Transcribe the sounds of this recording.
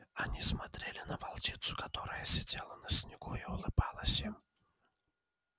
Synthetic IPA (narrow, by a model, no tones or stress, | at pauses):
ɐnʲismɐt̪ɾʲelʲɪnəvɐlˠt͡ɕʲit̪sʊ̥kat̪oɾəjəsʲɪdʲelˠənəsʲnʲɪɡuɪʊlˠɨbɑlˠəsʲim